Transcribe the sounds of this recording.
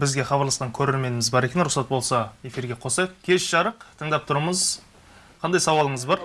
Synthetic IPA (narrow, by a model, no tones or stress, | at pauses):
bɪzɡʲe̞χɑbɑɾlˠɑsqɑŋkʲʰɵɾe̞ɾme̞nɪmɪzbɑɾe̞kʲenɾʊχsɑt̪̚bo̞lˠsɑe̞fiɾɡʲe̞qʰo̞sɑjq̚kʲʰe̞ʃʒ̥ɑɾəqt̪ʰəɴd̪ɑp̚t̪ʰʊɾəməz | qʰɑnd̪ɑjsɑwɑlˠəɴəzbɑɾ